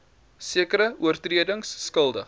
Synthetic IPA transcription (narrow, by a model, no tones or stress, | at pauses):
siəkəɾəuərtriədəŋsːkəlˠdə